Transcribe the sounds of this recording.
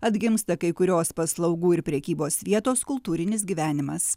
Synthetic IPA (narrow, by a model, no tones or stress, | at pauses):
ɐd̪ʲɡʲɪmst̪ɐkɐɪkʊɾʲoːspɐslˠɒʊɡuːɪɾpʲɾʲɛkʲiːboːsʋʲiɛt̪oːskʊlˠt̪uːɾʲɪnʲɪs̬ɡʲiːʋʲæːnʲɪmɐs